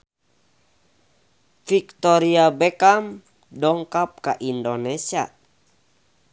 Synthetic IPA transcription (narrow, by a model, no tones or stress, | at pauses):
fikt̪ɔɾiabɛkam | dɔŋkap̚kaʔindonɛsia̰